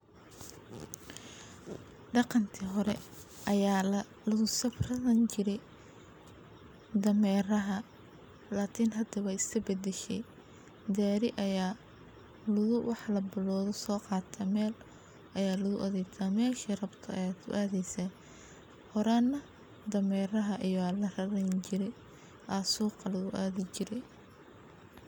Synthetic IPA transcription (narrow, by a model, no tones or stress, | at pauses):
ɖɑqɑnt̪ʰiɦɔɾɛ̰ | ʔɐjaː | lɐɣʊsɐfrɐðɐnt͡ʃɪɾɛj | d̪ɐmɛːrɐɦɐ | laːkʰinɦɐd̪ɐβɑɪskʰɐbɐd̪ɛʃɛ̰j | d̪aːɾɪʔɐjaː | lʊðʊwʔɑħlɐbɪlɔːðɔsɔːqɑːt̪ʰɐmɛːl | ʔɐjaːlɐðʊʔɐðɛjt̪ʰaːmɛːʃɐrɐbt̪ʰɐɐ̰jaːt̪ʰʊ̰ʔaːðɛjsɐ | hɔɾanːɐ | d̪ɐmɛːrɐɦɐʔijaːlɐrɐɾɛnt͡ʃɪɾɛ | ʔɐsuːqɑlɐðʊʔaːðɪt͡ʃɪɾɛ